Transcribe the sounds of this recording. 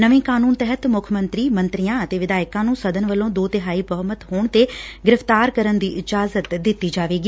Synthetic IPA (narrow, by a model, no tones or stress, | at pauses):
nəʋĩːkaːnuːnt̪ɛɦət̪mʊkʰmə̃nt̪ɾiːmə̃nt̪ɾijãːət̪eːʋɪd̪aːɪkãːnũːsəd̪ənʋəlõːd̪oːt̪ɪɦaːiːbəɦəmət̪ɦoːɳt̪eːɡɪɾɪft̪aːɾkəɾənd̪iːʔɪd͡ʒaːzət̪d̪ɪt̪ːiːd͡ʒaːʋeːɡiː